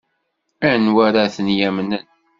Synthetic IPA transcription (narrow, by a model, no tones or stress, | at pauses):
ænwæɾæθənjæmnən